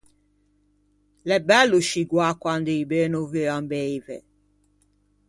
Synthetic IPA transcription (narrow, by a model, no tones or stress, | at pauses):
lɛbɛlːuʃiɡwakwand̪eibenoveambɛjvɛ̰